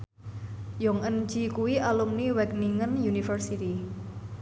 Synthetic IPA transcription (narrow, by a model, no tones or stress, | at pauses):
jɔŋən̥d͡ʒ̥i̤kuwiʔalumniwɛk̚niŋənjunifərsit̪i